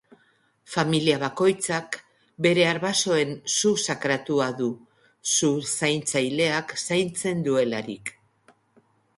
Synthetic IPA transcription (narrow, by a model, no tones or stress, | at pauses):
familiaβ̞ako̞jt͡sak | be̞ɾe̞aɾβaso̞e̞nsusakɾat̪uaðu | susajnt͡sajle̞aksajnt͡se̞nd̪ue̞laɾik